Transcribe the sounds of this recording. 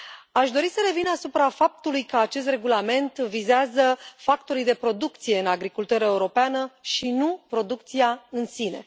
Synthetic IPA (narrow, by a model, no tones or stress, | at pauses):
aʃd̪o̞ɾisəɾe̞vinasupɾafap̚t̪ulujkəat͡ʃe̞st̪re̞ɡulame̞nt̪vizeazəfakt̪o̞ɾijd̪e̞pɾo̞d̪ukt̪sije̞ɨnaɡɾikult̪uɾəeuɾo̞peanəʃinupɾo̞d̪uk̚t̪siaɨnsine̞̰